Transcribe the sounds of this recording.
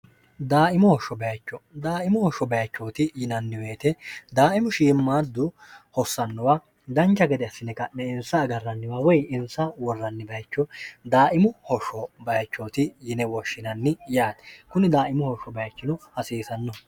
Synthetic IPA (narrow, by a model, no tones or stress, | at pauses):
d̪aːʔɪmɔhɔʃɔbɐjɐt͡ʃːɔd̪aːʔɪmʊhɔʃɔbɐjɐt͡ʃːoːt̪ɪjɪnɐnːɪweːt̪ɛd̪aːʔɪmʊʃiːmːaːd̪ːʊ | hɔsːɐnːɔwaː | d̪ɐnt͡ʃːɐɡɛd̪ɛɐsːɪnɛkɐnɛɪnsɐːɡɐrːɐnːɪwaːwɔjɪnsɐwɔrːɐnːɪbɐjt͡ʃːɔd̪aːʔɪmʊhɔʃɔbɐjɐt͡ʃːoːt̪ɪjɪnɛwɔʃːɪnɐnːɪjaːt̪kʊnɪd̪aːʔɪmʊhɔʃːɔbɐjɐt͡ʃːɪnɔhɐsiːsɐnːɔ